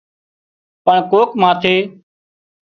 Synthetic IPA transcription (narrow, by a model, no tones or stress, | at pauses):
pəɳkoːkmãːt̪ʰeː